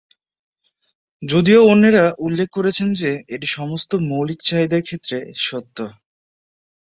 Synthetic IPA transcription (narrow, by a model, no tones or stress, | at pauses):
d͡ʑod̪ioonːeɾaʔulːekʰːoɾet͡ɕʰend͡ʑeeʈiʃɔmost̪omowlikt͡ɕaɦid̪aɾkʰet̪ːɾeʃot̪ːo